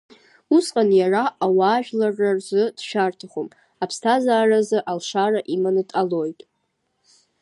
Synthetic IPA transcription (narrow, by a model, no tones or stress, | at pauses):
usqʼanjaraʔawaːʒᶣlarːarzɨd̥ʃᶣartʰaχom | apʰstʰazaːrazɨʔalʂaraʔimanɨtʼalo̞jtʼ